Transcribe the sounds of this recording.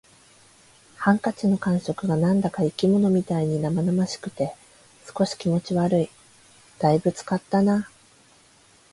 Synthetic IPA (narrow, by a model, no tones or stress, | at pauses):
hãŋkat͡ɕino̞kãɰ̃ɕo̞kɯ̟ɡanãnd̪akaikʲimo̞no̞mʲit̪aiɲ̟inamanamaɕi̥kɯ̟̥t̪e̞ | sɨ̥ko̞ɕi̥kʲimo̞t͡ɕiβaɾɯ̟i | d̪̥aibɯ̟t͡sɨ̥kat̪ːana